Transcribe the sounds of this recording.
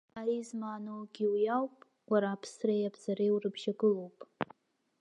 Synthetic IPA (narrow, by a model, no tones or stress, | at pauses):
aizmaːnowɡʲiwjawpʼ | waɾaːpʰsrajabz̥aɾejwrɨbʒaɡɨlo̞wpʼ